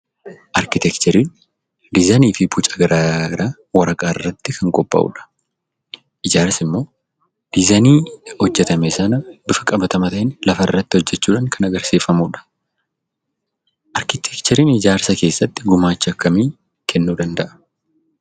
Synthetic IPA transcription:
ʔɐɾkɪt̪ɛkt͡ʃ̪ɛɾiːn | d̪ɪzɐniːfɪbʊt͡ʃʼɐɡɐɾaːɪɾaː | wɐɾɐkʼaːɪrːɐt̪ːɪkʰɐŋkʼɔpʼːɐ̰ʔṵᶑɐ̥ | ʔɪd͡ʒaːɾsɪmːo̞ː | d̪̥ɪzɐniːhɔd͡ʒːɛt̪ɐmɛsɐnɐbɪfɐkʼɐbɐt̪ɐmɐt̪ɐʔɪnlɐfɐɪrːɐt̪ːɪhɔd͡ʒːɛt͡ʃːuːᶑaːŋkʰɐnɐɡɐɾsiːfːɐmuːᶑɐ̥ | ʔɐɾkɪt̪ʰɛkt͡ʃɛɾiːnɪd͡ʒaːɾsɐke̞ːsːɐt̪ːɪɡʊmaːt͡ʃːɐkːɐmiː | kʰɛnːuːd̪ɐnd̪ɐʔɐ̥

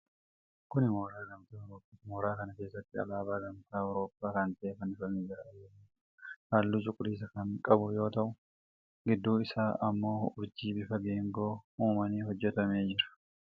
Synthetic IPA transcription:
kʊnɪmoːɾaːɡɐmt̪aːwɾoːpʼːiːmoːɾaːkɐnɐke̞ːsːɐt̪ːɪɐ̰laːbaːɡɐmt̪aːwɾo̞ːpʼːaːkɐnt̪ɐʔeːkɐnɪfɐnɪd͡ʒɪɾɐɐjɛ | haːlːuːt͡ʃʼʊkʼːʊliːs̬ɐkɐŋkʼɐbʊjo̞ːt̪ɐʔʊ | ɡɪd̪ːuːɪsaːʔɐmːo̞ːʊɾd͡ʒiːbɪfɐɡe̞ːŋɡo̞ːuːmɐniːɦɔd͡ʒːɛt̪ɐme̞ːd͡ʒɪɾɐ̥

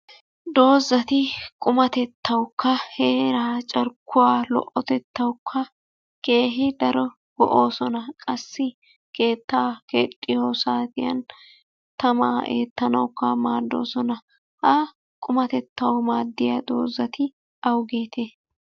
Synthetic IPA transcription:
d̪o̞ːzːɐt̪ɪkʼʊmɐt̪ɛt̪ːɐwʊkːɐheːɾaːt͡ʃʼɐɾkːʊwaːlɔ̰ʔɔt̪ɛt̪ːɐwʊkʰːɐ | ke̞ːɦɪd̪ɐɾɔ | ɡ̥ɔ̰ʔo̞ːsɔnɐkʼɐsːɪ | ke̞ːt̪ːaːkeːt̪ʼːɪjoːsaːt̪ɪjɐ̰n | t̪ɐma̰ːḛːt̪ːɐnɐwkːɐmaːd̪ːo̞̰ːsɔnɐ | hɐ | kʼʊmɐt̪ɛt̪ːɐwmaːd̪ːɪjɐd̪o̞̰ːzːɐt̪ɪ | ɐwɡeːt̪eː

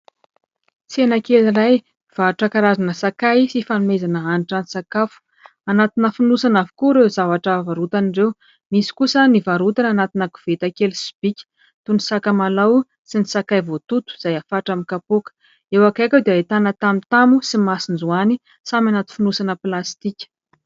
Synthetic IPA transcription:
t͡senakeliraj | v̥aʈ͡ʂakaɾazanəsakajsifanumezanəaniʈ͡ʂanisakafu̥ | anat̪inəfinusanavikuɾezavaʈ͡ʂəvaɾut̪anirew | misi̥kusənivaɾut̪ananat̪inəku̥v̥et̪akelsi̥b̥ikʲi̥ | t̪unisakamalaw | sinisakajvot̪ut̪u̥z̥ajafaʈ͡ʂamikapokə̥ | ewakajkʲewd̪eaet̪anət̪amit̪amusimasind͡zuani | samʲanat̪i̥finusanəplast̪ikʲə̥

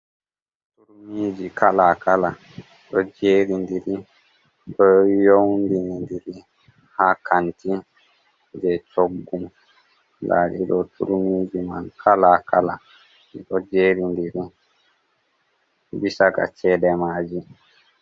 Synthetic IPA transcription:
tuɾumid͡ʒikʰalakala | ɗɔd͡ʒeːɾindiɾi | ɗɔjowndinndiɾi | hakanti | d͡ʒɛt͡ʃoɡːum | daɗḭɗɔtṵɾumiːd͡ʒima̰nkʰalakala | ɗɔd͡ʒeːɾindiɾi | bisaka̰t͡ʃɛːɗɛmaːd͡ʒi

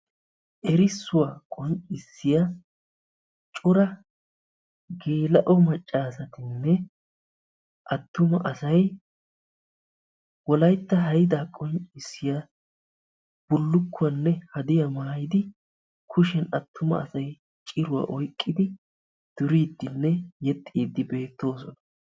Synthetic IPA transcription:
ʔɛɾɪsːʊwaːkʼɔnt͡sʼɪsːɪjɐ | t͡ʃʼʊɾɐ | ɡe̞ːlɐʔɔmɐt͡ʃʼːaːsɐt̪ɪnːɛ | ʔɐt̪ːʊmɐʔɐsɐj | wɔlɐjt̪ːɐɦɐjd̪aːkʼɔnt͡ʃɪsːɪjɐ | b̥ʊlːʊkːʊwɐnːɛhɐd̪ɪjɐmaːjɪd̪ɪ | kʰʊʃɛnɐt̪ʰːʊmɐ̰ɐ̰sɐj | t͡ʃʼɪɾʊwa̰ːʔɔjkʼːɪd̪ɪ | d̪̥ʊɾiːd̪ːɪnːɛjɛt̪ʼːiːd̪ːɪbe̞ːt̪ːo̞ːsɔnɐ

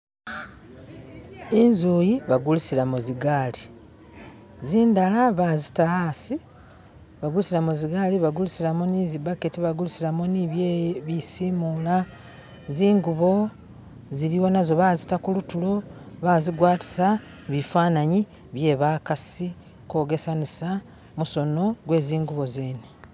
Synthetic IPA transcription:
enzuːjiβaɡulusilamuziɡaːli | ziːndalaβazitaasi | βaɡulusilamuziɡaːliβaɡulusilamonizibaketiβaɡulusilamoniβjeβisiːmula | ziːŋɡuβo̞ | ziɾiwo̞nazo̞βaːzitakulutulo̞βaːziɡwaːti̥sa | βifaːnaɲi | βje̞ːβakasi | ko̞ːɡe̞sanisa | muso̞no̞ɡwe̞ːziːŋɡuβo̞zeːne

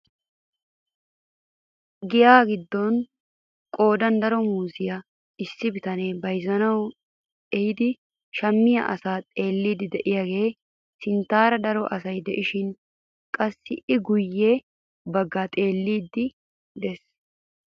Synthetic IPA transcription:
ɡɪjaːɡɪd̪ːɔn | kʼo̞ːd̪ɐnd̪ɐɾɔmuːsɪjɐ | ɪsːɪbɪt̪ɐneːbɐjzɐnɐw | ɛjɪd̪ɪ | ʃɐmːɪjɐ̰ʔɐ̰saːt̪ʼe̞ːlːiːd̪ɪd̪ɛʔɪjaːɡe̞ː | sɪnt̪ːaːɾɐd̪ɐɾɔʔɐsɐjd̪ɛʔɪʃɪn | kʼɐsːɪʔɪɡʊjːeː | bɐɡːaːt̪ʼe̞ːlːiːd̪ːɪ | d̪ɛs

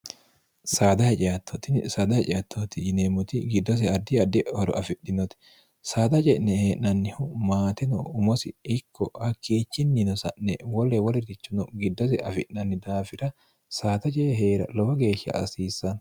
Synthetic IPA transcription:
saːd̪ɐhɛt͡ʃʼɪjat̪ʰːɔt̪ɪnsaːd̪ɐhɛt͡ʃʼɪjɐt̪ʰːot̪ɪd͡ʒɪneːmʊt̪ɪɡɪd̪ːɔs̬ɛɐd̪ɪɐd̪ɛhɔɾɔ̰ʔɐfɪʔːɪnɔt̪ɪ̥ | saːd̪ɐt͡ʃʼɛʔnɛheːʔnɐnːɪhʊmaːt̪ɛnɔ̰ʊmɔsɪ̰ɪkʰːɔhɐkʰːeːt͡ʃːɪnːɪnɔsɐʔnɛ̰wɔlːɛwɔlɪt̪ɪt͡ʃːʊnɔɡɪd̪ːɔs̬ɛɐfɪʔnɐnːɪd̪aːfɪɾɐ | saːt̪ɐt͡ʃʼeːɦeːɾɐ̰lɔbɐɡe̞ːʃːɐ̰ʔɐsiːsːɐn

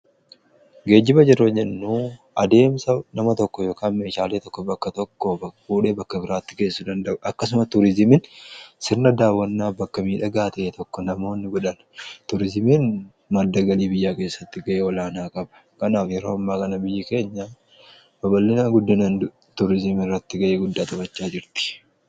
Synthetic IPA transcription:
ɡe̞ːd͡ʒːɪbɐd͡ʒɛɾoːd͡ʒɛnːuː | ɐd̪e̞ːmsɐnɐmɐt̪ɔkːɔjo̞ːkaːnme̞ːʃaːleːt̪ɔkːɔbɐkːɐt̪ɔkːɔfuːᶑe̞ːbɐkːɐbɪɾaːt̪ːɪ̥ke̞ːsːʊd̪ɐnd̪ɐʔʊɐkːɐs̬ʊmɐt̪ʊɾɪzɪmɪnsɪɾnɐd̪aːwːɐnːaːbɐkːɐmiːᶑɐɡaːt̪ɐʔeːt̪ʰɔkːɔnɐmo̞ːnːɪɡɔᶑɐn | t̪ʊɾɪzɪmɪn | mɐd̪ːɐɡɐliːbɪjːaːke̞ːsːɐt̪ːɪɡɐʔeːɔlaːnaːkʼɐbɐ̥ | kɐnaːfjɛɾo̞ːɐmːaːkɐnɐbɪjːɪke̞ːɲːa | bɐbɐlːɪnaːɡʊd̪ːɪnɐnd̪ʊ | t̪ʊɾɪzɪmɪrːɐt̪ːɪɡɐʔeːɡʊd̪ːaːt̪ʼɐbɐt͡ʃːaːd͡ʒɪɾt̪ɪ̥

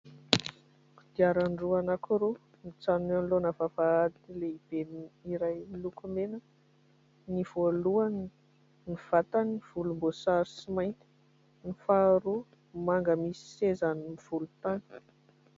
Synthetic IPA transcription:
ud̪̥iaɾanɖ͡ʐuanakuɾu | nit͡sanunenlonəvavaad̪ileib̥eniɾajlukumenə | niv̥oluan | niv̥at̪aniv̥ulumbosaɾisimajnt̪i̥ | nifaɾu | maŋɡəmisi̥sezanimiv̥ulut̪ani̥

